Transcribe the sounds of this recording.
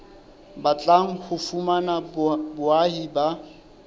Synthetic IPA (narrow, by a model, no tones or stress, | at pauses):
bat͡ɬʼaŋ̩hʊfumanabbʊahiba